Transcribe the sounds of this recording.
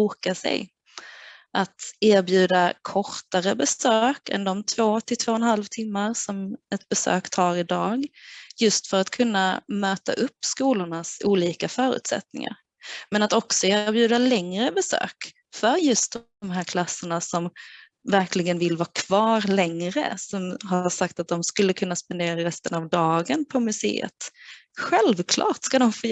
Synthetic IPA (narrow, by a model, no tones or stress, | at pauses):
uːkasɛ̰j | ʔat̪eːɾbjʉ̟ːd̪akʰɔɾt̪aɾəbɛsøːkɛ̰nd̪ɔmt̪ʰv̥oːt̪ʰɪlt̪ʰv̥oːɛnhalvt̪ʰɪmːaɾsɔmɛt̪̚bɛsø̰ːkt̪ʰɑːɾɪd̪ɑːɡjɵst̪fœɾat̪kʰɵnːamøːt̪a̰ʔɵpːskuːlʊɳasuːliːkafœːɾʉ̰ːt̪sɛ̰t̪̚nɪ̰ŋa̰ɾ | mɛnat̪ɔksɔeːɾbjʉ̟ːd̪alɛŋɾəbɛsø̰ːk | fœɾjɵst̪̚d̪ | ɔmɦæːɾkʰlasːəɳasɔm | væɾklɪɡənvɪlːvɑːkʰv̥ɑːɾlɛŋɾə̰sɔmɦaʂak̚t̪at̪̚d̪ɔmskɵlːəkʰɵnːaspɛnd̪eːɾaɾɛst̪ənavd̪ɑːɡənpʰɔmɵsḛːə̰t̪ | ɧɛlvkʰlɑ̰ːʈskad̪ɔmfoː